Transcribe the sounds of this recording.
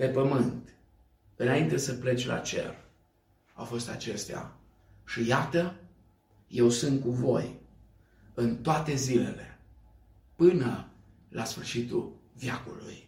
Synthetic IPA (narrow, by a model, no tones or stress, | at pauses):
pe̞pəmɨnt̪ | ɨnaint̪e̞səple̞t͡ʃʲlʔa̰t͡ʃe̞̰r | a̰wfo̞st̪a̰t͡ʃe̞st̪ea̰ | ʃijat̪ə | je̞wsunt̪̚kuvo̞j | ɨnt̪oat̪e̞zile̞̰le̞ | pɨnə | lʔasfɨrʃit̪ṵlvjakṵlṵj